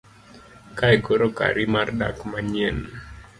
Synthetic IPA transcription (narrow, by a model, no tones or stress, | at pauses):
kajkoɾoka̰ɾimarda̰kmaɲɛn